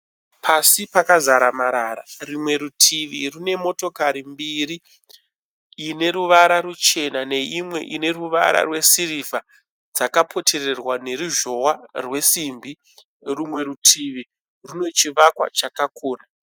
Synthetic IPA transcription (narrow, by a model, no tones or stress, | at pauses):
pʰasipakazaɾamaɾaɾa̰rimwe̞ɾutʰiʋirune̞mo̞to̞kaɾimbiɾi | ne̞ɾuʋaɾaɾut͡ʃe̞nane̞imwe̞̰ʔine̞ruʋa̰ɾa̰rwe̞siɾiva | d͡zakapʰo̞tʰe̞re̞rwane̞ɾuʒo̞warwe̞simbi | rumwe̞ɾutʰiʋi | runo̞t͡ʃiʋakwa̰t͡ʃakakoːna